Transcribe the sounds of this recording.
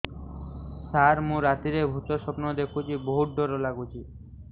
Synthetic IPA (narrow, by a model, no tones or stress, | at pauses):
saɾmũɾat̪iɾebʱut̪oʃɔpnod̪ekʰut͡ɕʰiboɦuʈ̚ɖoɾolaɡut͡ɕʰi